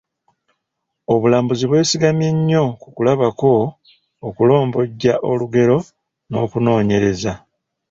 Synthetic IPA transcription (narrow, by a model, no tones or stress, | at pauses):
o̞βulaːmbuziβwe̞ːsiɡamje̞ɲːo̞kukulaβako̞ː | kulo̞ːmbo̞ɟːaʔo̞luɡe̞ɾo̞ | no̞ːkuno̞ːɲe̞ɾe̞za